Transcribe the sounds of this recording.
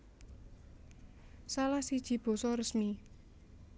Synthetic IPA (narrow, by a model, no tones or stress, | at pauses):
salahsid̥ʒ̥i̤b̥o̤sɔrəsmi